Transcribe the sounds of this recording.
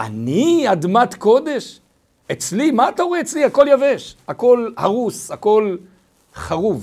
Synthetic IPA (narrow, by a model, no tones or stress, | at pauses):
ʔa̰niad̪mat̪ko̞d̪e̞ʃ | et͡slimaːt̪aoeet͡sliako̞ljaveʃako̞lhaʁusako̞l | χaʁuv